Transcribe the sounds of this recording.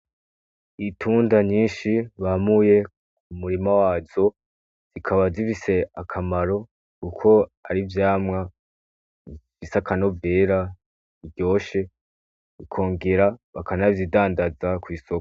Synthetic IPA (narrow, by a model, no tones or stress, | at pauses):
itʰuːndaɲiːnʃiβamuje̞ | umuɾimawaːzo̞ | z̥ikʰaβazifise̞akʰamaɾo̞ | kukʰo̞aɾivjaːmŋa | ifisakano̞veːɾa | iɟo̞ːʃe̞ | ikʰo̞ːŋɡe̞ɾaβakanavjidaːndazakwiːsoko